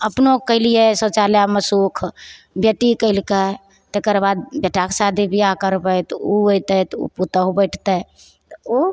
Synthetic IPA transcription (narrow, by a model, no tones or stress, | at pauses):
əpnokəɪlijesot͡ʃaljaməsukʰ | bʱjeʈikəlkə | t̪ekəɾbad̪̚beʈaksad̪ʱibʱijakəɾbət̪uojt̪ət̪ṵput̪əɦubəɪʈʰt̪ə | t̪ɔo